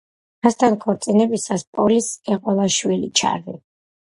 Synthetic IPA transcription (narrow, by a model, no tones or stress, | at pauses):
ast̪ʰankʰɔɾt̪sʼinɛbisaspʼɔlisɛqʼɔlˠaʃwilit͡ʃʰa̰ɾi